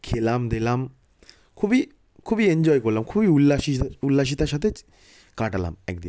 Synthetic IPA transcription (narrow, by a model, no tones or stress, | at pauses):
kʰeːlamd̪elaːm | kʰubi | kʰubieɲd͡ʒɔːjkɔɾlamkʰubiulːaʃiulːaʃ̬it̪aʃat̪et͡ʃ | kaːʈala̰mɛ̰k̚d̪ḭm